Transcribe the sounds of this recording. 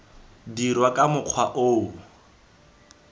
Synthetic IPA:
dirwakʼamʊq͡χʰwaʔo

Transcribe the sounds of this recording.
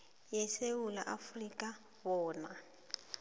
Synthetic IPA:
jeseula̰ʔafrikʼa | bɔːna

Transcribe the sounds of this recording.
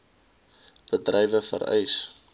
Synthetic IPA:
b̥ədrɛjvəfə̰ɾɛ̰js

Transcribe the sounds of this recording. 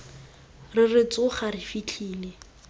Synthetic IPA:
rɪrɪt͡sʼʊχarɪfit͡ɬʰiːle

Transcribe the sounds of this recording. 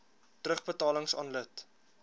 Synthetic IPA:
trəχbətɑːləŋsɑ̰ːnlət

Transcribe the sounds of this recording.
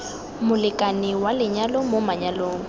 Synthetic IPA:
mʊlɪkʼanɪwalɪɲalɔmomaɲaloːŋ̩

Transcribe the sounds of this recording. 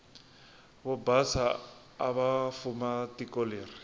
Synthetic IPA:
βɔbasaː | βafumatikoleːri

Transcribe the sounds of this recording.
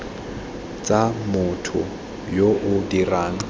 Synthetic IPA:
t͡sʼamʊtʰʊ̰ | joʔʊdiraːŋ̩

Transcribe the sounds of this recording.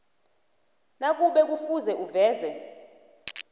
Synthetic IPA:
nak̬ʼuɓɛk̬ʼufuzɛʔuvɛːzɛ

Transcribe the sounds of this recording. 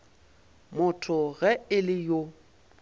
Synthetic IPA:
mʊtʰʊɣɛɪlɪjo

